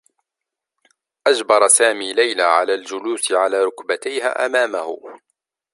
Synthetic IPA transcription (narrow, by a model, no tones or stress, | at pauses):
ʔad͡ʒbɑɾˤɑsaːmiːlajlaːʕa̰laːld͡ʒʊluːsɪʕalaːɾˤʊkbat̪ajha̰ːʔa̰maːmahʊ̰